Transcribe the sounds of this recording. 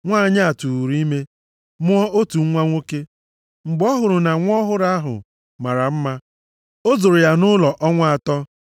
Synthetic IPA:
ŋʷaː˦˨ɲa˦a˨tu˨ɾi˦me˦ | mʊ˦ɔ˦ʔo˦tu˨ŋ̩˦ŋʷa˦ŋʷo˦ke˦ | ŋ͡m̩˨ɡ͡bɔ˦ɦʊ˨ɾʊ˨na˨ŋʷ˦ɔ˦ɦʊ˦ɾa˦ɦʊ̰˨ | ma˨ɾa˨m̩˦ma˦ | o˦zo˨ɾʊ˨ja˨nʊ˦lɔ˨ʔɔ˦ŋʷa˦a˨tɔ˦

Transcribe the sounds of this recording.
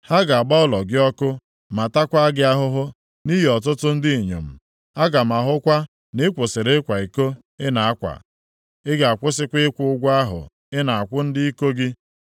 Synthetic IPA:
ha˦ɡa˨a˨ɡ͡ba˦ʊ˦˨lɔ˨ɡɪ˦ɔ˦kʊ˦ | ma˨ta˦kʷa˦ɡɪ˦a˦ɦʊ˦ɦʊ˦ | ni˦ɦi˨ɔ˨t̬ʊ˦tʊ˦n̩˦dɪ˦i˨ɲo̰˨m̩˨ | a˦ɡa˨ma˨ɦʊ˦kʷa˦ | nɪ˦kʷo˨se˨ɾe˦kʷa˨i˨ko˦ | ɪ˦na˨a˦kʷa̰˨ | ɪ˦ɡa˦˨a˨kʷʊ˦s̬ɪ˦kʷɪ˦kʷʊ˦ʊ˦ɡʷa˦ɦʊ̰˨ | ɪ˦na˨a˨kʷʊ˦n̩˦dɪ˦i˦ko˦ɡɪ˦

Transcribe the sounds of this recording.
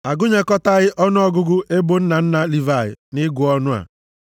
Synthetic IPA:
a˨ɡʊ˦ɲe˨kɔ˦ta˦ɣɪ˦ʔɔ˦nʊ˦ɔ˦ɡʊ˦ɡʊ˦ʔe˦bo˦n̩˦na˨n̩˦na˨li˨va˨ɣɪ̰˨nɪ˦ɡʊ˨ɔ˦nʊ˦a̰˨

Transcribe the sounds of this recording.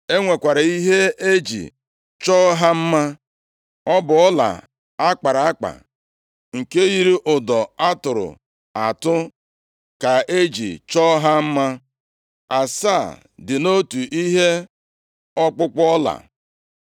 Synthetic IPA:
e˦ŋʷe˨kʷa˨ɾa˨i˦ɦe˦e˦d͡ʒḭ˨ | t͡ʃɔ˦ɦa˦m̩˦ma˦ | ɔ˦bʊ˨ɔ˦la̰˨ | a˦k͡pa˨ɾa˨a˦k͡pa̰˨ | ŋ̩˨ke˦ji˦ɾi˦ʔʊ˨dɔ˨a˦tʊ˨ɾʊ̰˨ | a˨tʊ˦ | ka˨e˦d͡ʒḭ˨t͡ʃɔ˦ɦa˦m̩˦ma˦ | a˨sa˦˨ | dɪ˨no˦tu˨ʔi˦ɦe˦ | ɔ˦k͡pʊ˦k͡pɔ˦la̰˨

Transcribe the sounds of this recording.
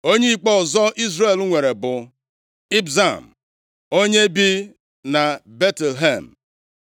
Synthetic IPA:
o˦ɲe˦i˦˨k͡pɔ˦ʊ˨zɔ˦ʔi˦zɾe˦˨lu˦ŋʷe˨ɾe˨bʊ˨ | i˦bza˨m̩˨ | o˦ɲe˦bi˦ | na˨be˦te˨lɦe˦˨m̩˨

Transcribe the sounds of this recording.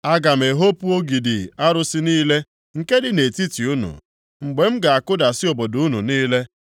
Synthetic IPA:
a˦ɡa˨m̩˨e˨ɦo˦pu˦o˦ɡi˨dɪ˨a˦ɾʊ˦sɪ˦niː˦le˦ | ŋ̩˨ke˦dɪ˨ne˨ti˦ti˨u˦nṵ˨ | ŋ͡m̩˨ɡ͡be˨m̩˦ɡa˨a˨kʊ˦da˨sɪ˦o˨bo˨du˨˦nṵ˨niː˦le˦

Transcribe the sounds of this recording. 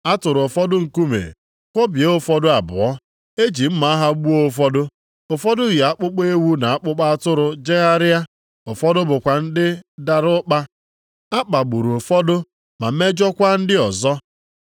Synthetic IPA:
a˦tʊ˨ɾʊ˨fɔ˦dʊ˦ŋ̩˨ku˦mḛ˨ | kʷo˦bi˨e˨˦o˦fɔ˦dʊ˦a˨bʊ̰˨ɔ˦ | e˦d͡ʒi˨m̩˦ma˨a˦ɦa˦ɡ͡bu˦o˦f̬ɔ˦dʊ˦ | o˨fɔ˦dʊ˦ɣa˦k͡pʊ˦k͡pe˦e˦wu˦na˨a˦k͡pʊ˦k͡pa˦a˦tʊ˦ɾʊ˨d͡ʒe˦ɣa˦ɾɪ˦a˦ | ʊ˨fɔ˦dʊ˦bʊ˨kʷa˨n̩˦dɪ˦da˨ɾʊ˦k͡pa˦ | a˦k͡pa˨ɡ͡bu˨ɾu˨o˨fɔ˦dʊ˦ | ma˨˦me˦d͡ʒɔ˦kʷa˦n̩˦dɪ˦ɔ˨zɔ˦

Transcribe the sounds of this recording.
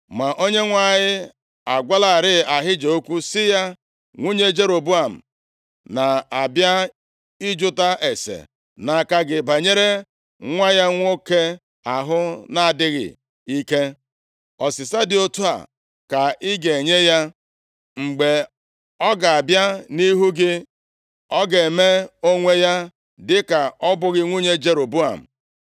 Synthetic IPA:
ma˨ʔo˦ɲe˦ŋʷa˦˨ɲɪ˦ | a˨ɡʷa˦la˨ɾɪ˦˨a˨ɦɪ˦d͡ʒe˨o˦kʷu˦sɪ˦ja˦ | ŋʷu˦ɲe˦d͡ʒe˦ɾo˨bu˦a˨m̩˨ | na˨a˨bja˦ | ɪ˦d͡ʒʊ˦ta˦ʔe˨sḛ˨ | na˨ka˨ɡɪ˨ba˨ɲe˦ɾe˦ | ŋʷa˦ja˦ŋʷ˦o˦ke˦ | a˨ɦʊ˦na˨a˨dɪ˦ɣɪ̰˨ | i˦ke˦ | ɔ˨sɪ˨sa˦dɪ˦o˦tu˦a̰˨ | ka˨ʔɪ˦ɡe˨ɲe˦ja˦ | ŋ͡m̩˨ɡ͡be˨ | ɔ˦ɡa˨a˨bja˦ni˦ɦu˦ɡɪ˦ | ɔ˦ɡe˨e˨me˦o˦ŋʷe˦ja˦ | dɪ˦ka˨ɔ˦bʊ˦ɣɪ˦ŋʷu˦ɲe˦d͡ʒe˦ɾo˨bu˦a̰˨m̩˨

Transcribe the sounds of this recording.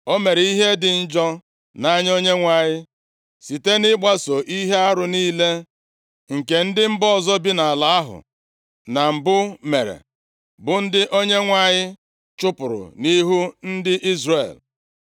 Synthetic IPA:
o˦me˨ɾe˨i˦ɦe˦dɪ˨n̩˦d͡ʒɔ˦ | na˦ɲ˦o˦ɲe˦ŋʷa˨ɲɪ˦ | si˨te˦nɪ˦ɡ͡ba˦so˨ʔi˦ɦe˦a˦ɾʊ˨niː˦le˦ | ŋ̩˨ke˨n̩˦dɪ˦m̩˦bɔ˦˨zɔ˦bi˦na˨a˨la˨a˦ɦʊ̰˨ | na˨m̩˨bʊ˦me˨ɾḛ˨ | bʊ˨n̩˦dɪ˦ʔo˦ɲe˦ŋʷa˨ɲɪ˦ | t͡ʃʊ˦pʊ˨ɾʊ̰˨ni˦ɦu˦n̩˦dɪ˦ʔi˦zre˨l

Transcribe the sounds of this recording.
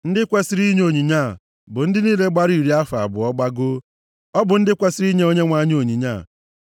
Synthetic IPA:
n̩˦dɪ˦kʷe˦si˦ɾi˦ɲ˦o˨ɲi˨ɲa˦˨ | bʊ˨n̩˦dɪ˦ni˦le˦ɡ͡ba˦ɾi˦˨ɾi˦a˦fa˨bʊ˨ɔ˦ɡ͡ba˦ɡo˦ | ɔ˦bʊ˨n̩˦dɪ˦kʷe˦si˦ɾi˦ɲe˦o˦ɲe˦ŋʷa˦ɲ˦o˨ɲi˨ɲa̰ː˦˨

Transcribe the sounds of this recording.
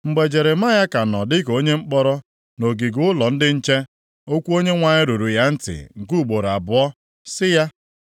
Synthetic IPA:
ŋ͡m̩˨ɡ͡be˨d͡ʒe˨ɾe˨ma˦ja˦ka˨nɔ˨dɪ˦ko˦ɲe˦ŋ͡m̩˦k͡pɔ˦ɾɔ˦ | no˨ɡi˨ɡʊ˦ʊ˦lɔ˨n̩˦dɪ˦n̩˦t͡ʃe˦ | o˦kʷu˦o˦ɲe˦ŋʷa˨ɲɪ˦ɾu˨ɾu˨ja˦n̩˦tɪ̰˨ŋ̩˨ku˦˨ɡ͡bo˨ɾa˨bʊ˨ɔ˦ | sɪ˦ja˦

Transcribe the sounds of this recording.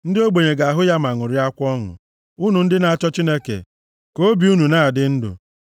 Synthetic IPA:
n̩˦dɪ˦o˦ɡ͡be˨ɲe˨ɡa˨a˨ɦʊ˦ja˦ma˨ŋʊ˨ɾɪ˦a˦kʷɔ˦ŋʊ̰˨ | u˦nu˨n̩˦dɪ˦na˨a˨t͡ʃɔ˦t͡ʃi˦ne˦kḛ˨ | ko˦bi˨u˦nu˨na˦˨a˨dɪ˦n̩˦dʊ̰˨

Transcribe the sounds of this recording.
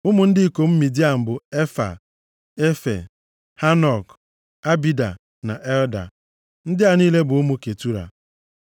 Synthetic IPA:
ʊ˦mʊ˦n̩˦dɪ˦ko˨m̩˦mi˨di˦a˨m̩˨bʊ˨e˦fa̰˨ | e˦fḛ˨ | ha˦nɔ˨k | a˦bi˦da̰˨ | na˨ʔe˦lda̰˨ | n̩˦dɪ˦a˨niː˦le˦bʊ˨ʊ˦mu˦ke˨tu˦ɾa̰˨

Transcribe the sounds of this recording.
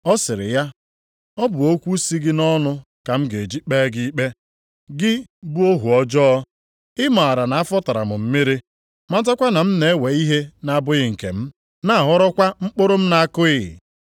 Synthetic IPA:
ɔ˦sɪ˨ɾɪ̰˨ja˦ | ɔ˦bʊ˨o˦kʷu˦si˦ɡɪ˦nɔ˦nʊ˦ | ka˨m̩˦ɡe˨d͡ʒi˦k͡peː˦ɡɪ˦k͡pe˦ | ɡɪ˦bu˦o˦ɦu˨ɔ˦d͡ʒɔ˦ | ɪ˦ma˨a˨ɾa˨na˨a˦fɔ˦ta˨ɾa̰˨mʊ˨m̩˦mi˦ɾi˦ | ma˦ta˦kʷa˦na˨m̩˦ne˨e˦we˨i˦ɦe˦na˦a˦˨bʊ˦ɣɪ˨ŋ̩˨kḛ˨m̩˦ | na˦a˨ɦɔ˦ɾɔ˦kʷa˦ŋ͡m̩˦k͡pʊ˦ɾʊ˦m̩˦na˨˦a˦kʊ˦ɪ̰˨

